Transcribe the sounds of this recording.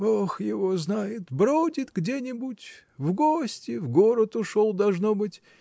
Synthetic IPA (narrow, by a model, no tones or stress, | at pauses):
oxjɪvoznajɪt̪bɾodʲɪt̪ɡdʲenʲɪbʊtʲ | vɡosʲtʲɪvɡoɾət̪ʊʂolˠd̪ɐlˠʐnobɨtʲ